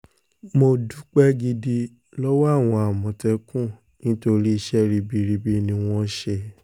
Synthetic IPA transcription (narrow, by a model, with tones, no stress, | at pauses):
mo˧du˦k͡pɛ˦ɡi˧di˧ | lɔ˦wa˦a˦˨w̃ɔ̃˧a˨mɔ̃˨tɛ˧kũ˦˨ | nĩ˨˦to˧ɾi˦i˧ʃɛ˦ɾi˧bi˧ɾi˧bi˧nĩ˧w̃ɔ̃˦ʃɛ˧